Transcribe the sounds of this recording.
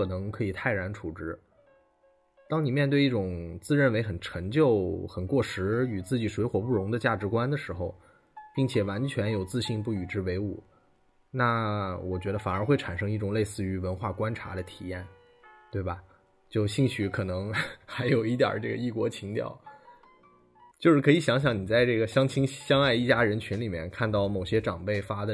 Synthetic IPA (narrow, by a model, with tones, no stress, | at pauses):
ɤ˨˩nɤ˧˥ŋkʰɤ˧˥i˨˩t̪ʰa˥˩ɪɻa˧˥nʈ͡ʂʰu˨˩ʈ͡ʂɻ̩˥ | t̪ɑ˥ŋni˨˩mjɛ˥˧nt̪we˥˧ɪi˥˩ʈ͡ʂʊ˨˩ŋt͡sɹ̩˥˧ɻə˥˩nwe˧˥ɪxə˨˩nʈ͡ʂʰɤ˧˥ŋt͡ɕjo˥˩ʊxə˨˩nkwɔ˥˩ʂɻ̩˧˥y˨˩t͡sɹ̩˥˩t͡ɕi˨˩ʂwe˧˥ɪxwɔ˨˩pu˥˩ɻʊ˧˥ŋd̪ə˧t͡ɕja˥˩ʈ͡ʂɻ̩˧˥kwa˥nd̪ə˨ʂɻ̩˧˥xo˧ʊ | pi˥˩ŋt͡ɕʰjɛ˨˩wa˧˥nt͡ɕʰɥɛ˧˥njo˨˩ʊt͡sɹ̩˥˧ɕi˥˧np̬u˥˩y˨˩ʈ͡ʂɻ̩˥we˧˥ɪṵ˨˩ | na˥˩wɔ˨˩t͡ɕɥɛ˧˥d̪ə˧fa˨˩ə˞˧˥xwe˥˩ɪʈ͡ʂʰa˨˩nʂɤ˥ŋi˥˩ʈ͡ʂʊ˨˩ŋle˥˧ɪsɹ̩˥˩y˧˥wə˧˥nxwa˥˩kwa˥nʈ͡ʂʰa̰˧˥d̪ə˧t̪ʰi˨˩jɛ˥˩n | t̪we˥˩ɪbɐ˩ | t͡ɕjo˥˧ʊɕi˥˩ŋɕy˧˥kʰɤ˨˩nɤ˧˥ŋxa˧˥ɪjo˨˩ʊi˥˩t̪jə̰˞˨˩ʈ͡ʂɤ˥˩ɡə̰˩i˥˩kwɔ˧˥t͡ɕʰi˧˥ŋt̪jɑ̰˥˩ʊ | t͡ɕjo˥˧ʊʂɻ̩˥˩kʰɤ˧˥i˧˩ɕjɑ˧˥ŋɕ̬jɑ˧˩ŋni˨˩t͡sa˥˧ɪʈ͡ʂɤ˥˩ɡə˩ɕjɑ˥ŋt͡ɕʰi˥ŋɕjɑ˥ŋa˥˧ɪi˥˩t͡ɕja˥ɻə˧˥nt͡ɕʰy˧˥nli˨˩mjɛ̰˥˧nkʰa˥˧nt̪ɑ˥˩ʊmo˨˩ʊɕjɛ˥ʈ͡ʂɑ˨˩ŋpe˥˩ɪfa˥d̪ə˨